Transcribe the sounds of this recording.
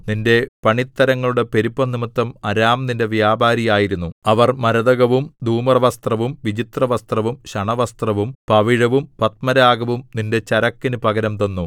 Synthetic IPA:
ninde̞pɐɳit̪ːɐɾɐŋːɐɭuɽe̞pe̞ɾipːɐnimɐt̪ːɐmɐɾaːmninde̞ʋjaːbʱaːɾijaːjiɾunːuɐʋɐrmɐɾɐðɐɣɐʋumd̪ʱuːmɐrɐʋɐst̪rɐʋumʋid͡ʑit̪rɐʋɐst̪rɐʋumɕɐɳɐʋɐst̪rɐʋumpɐʋiɻɐʋumpɐt̪̚mɐɾaːɡɐʋumninde̞t͡ɕɐɾɐkːinupɐɣɐɾɐmt̪onːu

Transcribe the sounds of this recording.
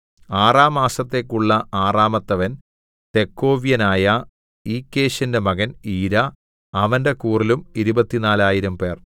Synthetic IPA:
aːraːmaːsɐt̪ːe̞ːkːuɭːɐaːraːmɐt̪ːɐʋɐn | t̪e̞kːo̞ːʋijɐnaːjɐ | iːkːe̞ːɕɐnde̞mɐɣɐniːɾɐː | ʋɐnde̞kuːrilumiɾubɐt̪ːinaːlaːjiɾɐmpe̞ːr

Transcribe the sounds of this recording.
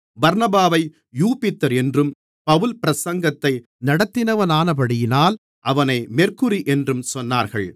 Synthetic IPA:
bɐɾnɐbaːʋɐɪ | juːpɪt̪ːɐɾɛndrɯm | pɐʋɯlpɪɾɐsɐŋɡɐt̪ːɐɪ | nɐɽɐt̪ːɪnɐʋɐnaːnɐpɐɽɪjɪnaːl | ʔɐʋɐnɐɪmɛrkɯɾiʔɛndrɯmsɔnːaːɾɣɐɭ

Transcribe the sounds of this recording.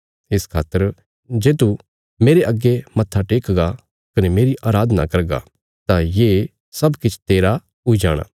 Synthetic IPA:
ɪskʰa̰ːt̪ːəɾ | d͡ʒeːt̪u | meːɾeʔɐɡːemɐt̪ʰːaʈeːkɡa | kɐnemeːɾiʔaːɾaːd̪ənakɐɾɡa̰ | t̪ajeː | sɐbkɪt͡ʃʰt̪eːɾa | ʊid͡ʒaːɽ̃a̰ː

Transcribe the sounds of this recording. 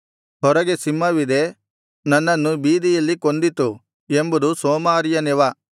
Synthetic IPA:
ɦɔɾɐɡesimːɐʋid̪e̞ | nɐnːɐnːubiːd̪ijɐlːikond̪it̪u | embud̪usoːmaːɾijɐnɛʋɐ

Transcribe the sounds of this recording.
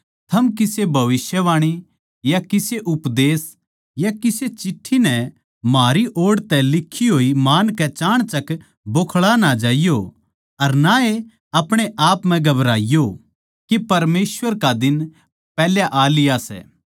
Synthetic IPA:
t̪ʰɐmkɪsebʱɐʋɪsjəʋaːɽ̃i | jakɪseʔʊpd̪eːs | jakɪset͡ʃɪʈʰːinɛ | maːɾiʔoːɽt̪ɛlɪkʰːiɦoːimaːnkɛt͡ʃaːɽ̃t͡ʃɐk | boːkʰɭanad͡ʒaːijo | ɐɾnae | ɐpɽ̃eʔaːpmɛ̃ɡɐbɾaːɪjo | kepɐɾmeːsʋəɾkad̪ɪn | pɛːljaʔaːlɪjasɛ̰ː

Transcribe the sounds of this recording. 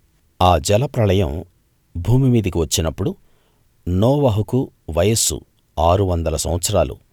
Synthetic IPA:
aːd͡ʒɛlɐpɾɐlɐjɐ̰m | bʱuːmimiːd̪ɐkiʋɐt͡ʃːinɐpːuɽu | nɔːʋɐɦuku | ʋɐjɐsṵ | aːɾuʋɐnd̪ɐlɐsɐ̰m̃ʋɐt̪sɐɾaːlṵ

